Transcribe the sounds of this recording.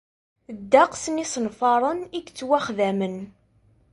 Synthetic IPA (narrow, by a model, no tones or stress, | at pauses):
d̪ːaqsnisənfɑɾˤəniɡt͡sːwæχðæmən